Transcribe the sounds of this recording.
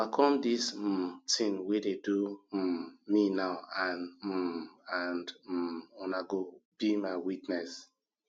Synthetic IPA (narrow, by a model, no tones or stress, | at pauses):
akʰɔ̃mdis̩tʰĩŋwededu | minaʊãn̩ | ãnd̩ɔnaɡob̥imaɪwitnɛs